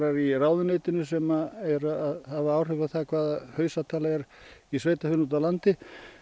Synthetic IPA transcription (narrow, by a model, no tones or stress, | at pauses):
ɾaɾiraːwðʏneːjt̪ɪnʏsɛmaɛɾaaðhavaaːwr̥ʏvaθakʰv̥aːðahœːɥsat̪ʰaːlaɛɾisveːjt̪afʏnut̪̬alant̪ɪ